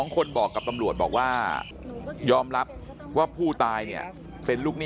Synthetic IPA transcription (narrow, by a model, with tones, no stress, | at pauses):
ŋkʰo˧nbɔː˨˩kːa˨˩p̚t̪a˧mɾu˨˩ət̪̚bɔ̰ː˨˩k̚waː˥˩ | jɔː˧mɾa˦˥p̚ | waː˥˩pʰuː˥˩t̪aː˧jni˥˩ɐ | pe˧nluː˥˩k̚niː˥